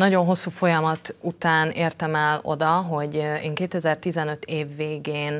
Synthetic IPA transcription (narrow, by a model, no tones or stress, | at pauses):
nɒɟo̞nɦo̞sːuːfo̞jɒmɒt̪ut̪aːneːrt̪ɛmɛlo̞̰d̪ɒɦo̞ɟeːŋkeːt̪ɛzɛrt̪izɛnø̞t̪ʰeːvːeːɡeːn